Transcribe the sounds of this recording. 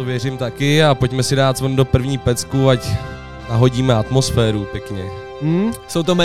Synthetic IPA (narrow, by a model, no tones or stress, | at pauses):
ovjɛr̝ɪmt̪akɪapo̞cmɛsɪdaːt̪vəndo̞pr̩vɲiːpɛt͡skuac | naɦo̞ɟiːmɛat̪mo̞sfɛːɾupjɛkɲɛ | sowt̪omɛ